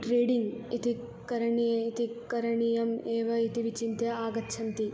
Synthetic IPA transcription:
ʈɾeːɖiŋɡit̪i | kɐɾɐɳijɐit̪ikɐɾɐɳijɐmeːʋɐit̪iʋit͡ʃint̪jɐaːɡɐt̪ːʃʰɐnt̪i

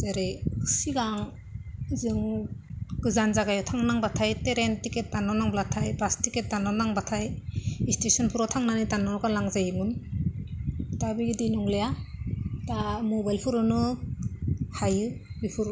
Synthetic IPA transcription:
zeɾesiɡaŋ | zɯŋ | ɡ̥ɯzanzaɡajɔtʰaŋnaŋbatʰajteɾentiket̚danɔnaŋblatʰajbastiket̚danɔnaŋbatʰajistesɔnpʰuɾɔtʰaŋnanitanɔɾɔkalaŋzajimun | tabiɡidenuŋleja | tamɔbajlpʰuɾɔnɯ | hajɯbipʰuɾ

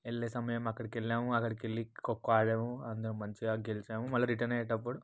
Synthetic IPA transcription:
elːeːsɐmɐjɐmɐkːɐɽikelːaːmuɐkːɐɽikelːikokːaːɭeːmuɐnd̪ɐnumɐɲt͡ʃiaːɡelit͡ʃaːmumɐlːɐɾiʈɐɾneːʈːɐp̬ːuɽu

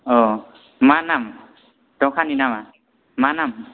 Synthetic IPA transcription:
ɔ | manam | tɔkʰaninama | manam

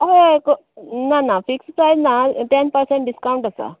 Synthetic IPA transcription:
ɐʋeko | nanafikssajd̪naʈenpəɾseɳʈɖiskawɳʈasa̰

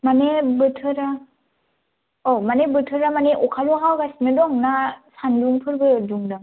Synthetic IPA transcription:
manebɯtʰɯɾa | ɔmanebɯtʰɯɾamaneʔɔkʰaluɦawɡasinɯdɔŋnasanluŋpʰɯɾbɯduŋdaŋ

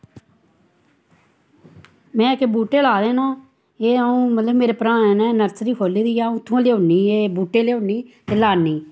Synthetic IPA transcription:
mɛ̃ːkebuːʈeːlaːd̪ẽːnãː | eːəũːmət̪ləbmeːɾeːpɾãːɛːnɛːnəɾsɾiːkʰoːliːd̪iːaːũːt̪ʰːũːleːʊnːiːeːbuːʈeːleːʊɳːiːt̪eːlaːniː

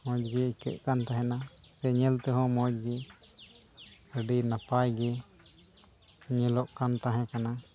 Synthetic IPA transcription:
mɔ̃d͡ʒɡɛikɛ̰ʔ̚kant̪aɦɛnasɛɲɛlt̪ɛɦɔ̃mɔ̃d͡ʒɡɛ | əɖinapajɡɛ | ɲɛlɔʔkant̪aɦɛ̃kana

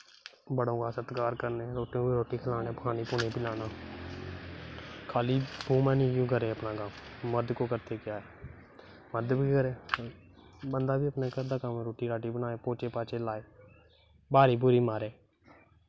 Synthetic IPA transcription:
bəɽõːkaːsət̪kaːɾkəɾneːɾoːʈːõːbiɾoːʈiːkʰəlaːneːpəkʰaːniːpʊnẽːpilaːnaː | kʰaːliːbʱuːmɛ̃ːnĩːkũːɡəɾeːəpnaːɡaːmməɾd̪koːkəɾt̪eːkɪjaːɛː | məɾd̪biːkəɾeː | bənd̪aːbiːəpneːkəɾd̪aːkəmẽːɾoːʈiːɾaːʈiːbənaːeːpoːt͡ʃeːpaːt͡ʃeːlaːeː | baːɾiːbʊɾiːmaːɾeː

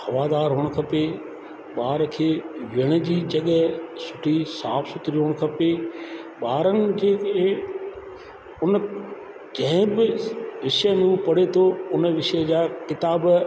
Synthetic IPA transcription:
hɐʋaːd̪aːɾɦoːɽ̃kʰɐpeː | ɓaːɾkʰeːʋɪəɽ̃əd͡ʑiːd͡ʑɐɠəsʊʈʰisaːfsʊt̪ɾijoːɽ̃kʰɐpeɓaːɾənɪ̆d͡ʑeːe | ʊn | d͡ʑɐ̃ɦɪ̃bɪʋɪʃənũpɐɽet̪ʰoʊnʋɪʃd͡ʑaːkɪt̪aːb

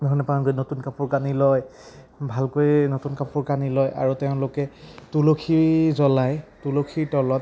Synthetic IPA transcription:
dʱɔɹnɛpankojnotunkapuɹkanilɔj | bʱalkojnotunkapuɹkanilɔjʔa̰ɹuteʊ̃lʊkɛtulokʰiɹzɔlajtulokʰiɹtɔlɔt̚

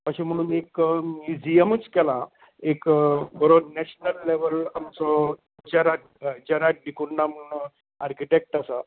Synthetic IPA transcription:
pəɕim̤əɽ̃uːnekjid͡ʑiəmət͡skɛlã | ekbəɾonɛɕnəlːeʋəlamt͡sɔ | d͡ʑaɾaʈ | d͡ʑaɾaʈ̚ɖikuɳːam̤əɽuːn | aɾkiʈek̚ʈəsa

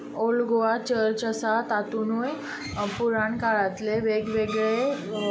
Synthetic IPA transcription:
olɡoat͡ɕəɾt͡ɕəsat̪at̪unuj | puɾãɳkaɭat̪leʋeɡʋeɡɭe

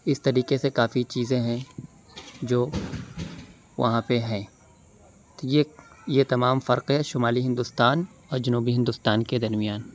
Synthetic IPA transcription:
ɪst̪ɐɾiːqesekaːfit͡ʃiːzẽɦɛ̃ | d͡ʒoː | ʋɐ̰ɦãpeɦɛ̃ː | t̪ojejet̪ɐmaːmfɐɾqɦɛʃʊmaːliɦɪ̃nd̪ʊst̪aːn | ɔːɾd͡ʒɐnuːbiɦɪ̃nd̪ʊst̪aːnked̪ɐɾmijaːn

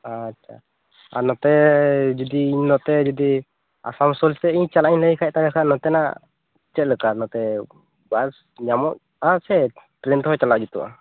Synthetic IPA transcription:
atːʰa̰ | aɾnɔt̪ɛd͡ʒud̪iːɲnɔt̪ɛd͡ʒɔd̪i | a̰samsɔlsɛiɲt͡ʃalaiɲləkʰajc̚t̪aɡakʰanɔt̪ɛna̰ | t͡ʃɛt̪̚ləkanɔt̪ɛ | bas | ɲamɔʔ̚ | ãsɛʈɾɛnt̪ɦɔjt͡ʃalaʔd͡ʒut̪uʔa̰

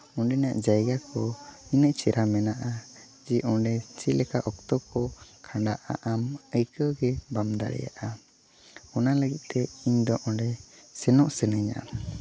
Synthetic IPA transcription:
ɔɳɖɛnaʔd͡ʒajɡakɔinəʔt͡ʃɛɾʔamɛnaʔa | d͡ʒiʔɔɖɛt͡ʃilɛkaʔɔk̚t̪ɔkɔkʰãɳɖaʔa̰ʔaməjkəɡɛbamd̪a̰ɾɛ̰ja̰ʔa | ɔnaləɡit̪̚t̪ɛiɲd̪ɔʔɔɳɖɛsɛnɔʔsɛnəɲa̰

